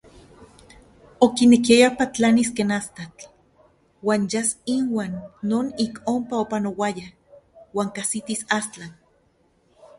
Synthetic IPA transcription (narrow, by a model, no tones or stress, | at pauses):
okinekiajapat͡ɬaniskeːnast̪at͡ɬ | waːnjasinwaːnːoːnikompaopanowaja | waːŋkasit̪isast͡ɬan